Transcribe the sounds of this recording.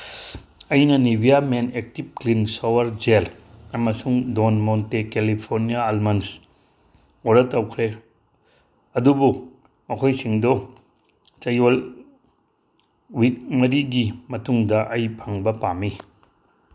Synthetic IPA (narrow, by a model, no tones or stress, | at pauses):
ɐjnɐnibʱijamenek̚tip̚klinsowɐɾd͡ʒel | ɐmɐsuŋdonmontekelipʰoɾnijaːlmɐns | oɾɐtːɐwkʰɾe | ɐdubu | mɐkʰojsiŋdɔ | t͡ʃɐjol | wik̚mɐɾiɡimɐtuŋdɐʔɐjpʰɐŋbɐpami